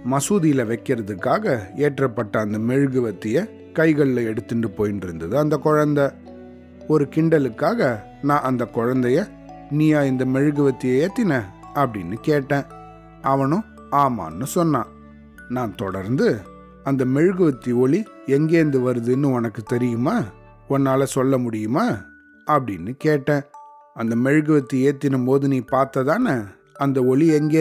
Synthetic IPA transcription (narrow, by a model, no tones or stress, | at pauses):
mɐsuːðɪjɪlɐʋɐɪkːɪɾɐðɯkːaːɣɐeːʈrɐpːɐʈːɐːnd̪ɐmɛɻɯɣɯʋɐt̪ːɪjɐ | kɐɪɣɐɭɪlɐɛɽɯt̪ːɯɳɖɯpoːjɪnɖɪɾɯnd̪ɐðɯɐnd̪ɐkɔɻɐnd̪ɐ | ɔɾɯkɪɳɖɐlɯkːaːɣɐ | nãːʔɐnd̪ɐkɔɻɐnd̪ɐjɐ | nijaːɪnd̪ɐmɛɻɯɣɯʋɐt̪ːɪjɐeːt̪ːɪnɛ̃ | ɐpːɐɽɪnːɯkeːʈːẽː | ɐʋɐnʊ̃ | aːma̰ːnːɯsɔnːã̰ː | nãːnt̪ɔɽɐɾnd̪ɯ | ɐnd̪ɐmɛɻɯɣɯʋɐt̪ːiɔɭi | ɛŋɡeːnd̪ɯʋɐɾɯðɯnːɯɔnɐkːɯt̪ɛɾɪjɯmaː | ɔnːaːlɐsɔlːɐmʊɽɪjɯmaː | ɐpːɐɽɪ̰nːɯkeːʈːẽː | ɐnd̪ɐmɛɻɯɣɯʋɐt̪ːieːt̪ːɪnɯmpoːðɯniːpaːɾt̪ɐðaːnɐ | ɐnd̪ɐɔɭiɛŋɡeː